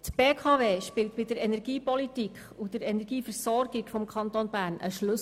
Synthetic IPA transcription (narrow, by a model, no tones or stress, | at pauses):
tb̥eːkʰɑːveːʃpɪlt̚bɪd̥əɾɛnɛɾɡ̥iːpɔlitikχ | ud̥əɾɛnɛɾɡiːfəɾsɔɾɡiɡ̥fɔmkʰɑnt̪onbæːɾnə̰ʃlɵs